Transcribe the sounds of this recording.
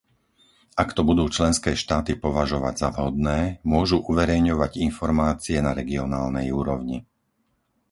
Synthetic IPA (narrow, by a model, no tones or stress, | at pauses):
akt̪ɔbud̪uːt͡ʃlɛnskɛːʃt̪aːt̪ipɔʋaʒɔʋa̰ɟzavɦɔd̪nɛːmʊɔʒuʔuʋɛɾɛjɲɔʋaɟinfɔɾmaːt͡siɛnaɾɛɡiɔnaːlnɛjuːɾɔʊɲi